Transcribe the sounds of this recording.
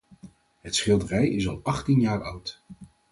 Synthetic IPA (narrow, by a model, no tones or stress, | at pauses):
ɦətsχɪlˠdərɛjɪsɑlˠɑχtinjaːɹʌwt